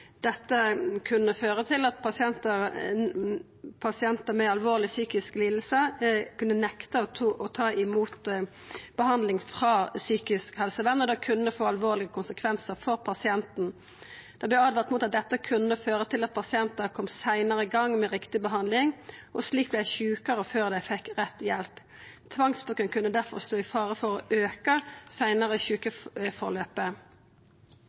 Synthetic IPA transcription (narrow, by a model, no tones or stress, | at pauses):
d̪̥ɛt̪ːəkʰʉnːəføːʁət̪ʰɪlɑt̪̚pʰɑsɪɛnt̪ə | pʰɑsɪɛnt̪əmɛɑlʋoːʁlɪsyːkɪskliːd̪l̩səkʉnːənɛkt̪əɔt̪ʰɑːɪmuːt̪ | b̥əhɑnd̪lɪŋfʁɑːsyːkɪskhɛlsəʋɛnːɔd̪ɛkʰʉnːəfoːɑlʋoːʁlɪɡəkʰʊnsəkʰʋɛnsəʁfɔʁpʰɑsɪɛnt̪n̩ | d̪̥ɑb̪lɛɑːd̪ʋæʁt̪muːt̪ɑt̪̚d̪ɛt̪ːəkʰʉnːəføːʁət̪ʰɪlɑt̪̚pʰɑsɪɛnt̪ɑkʰɔmsæɪnəʁəɪɡɑŋːmɛʁɪkt̪ɪbəɦɑnd̪lɪŋʔɔsliːk̚blæçʉːkəʁɔføːʁd̪æɪfɛkʁɛt̪ːjɛlp | t̪ʰʋɑŋsbʊɡənkʰʉnːəd̪æʁfɔ̰ʁst̪oːɪfɑːʁəfɔʁɔ̰ʔøːkəsæɪnəʁəçʉːkəfɔʁløːpə